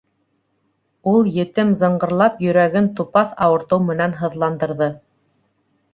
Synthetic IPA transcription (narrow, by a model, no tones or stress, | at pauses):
ulˠjɘ̆t̪ɘmzɤ̆ɴɢɤ̆ɾlˠɑpjɵ̆ɾæɡɘnt̪upɑθɑwɤ̆ɾt̪ɤwmɘ̆nænɦɤ̆ðlˠɑnd̪ɤ̆ɾðɤ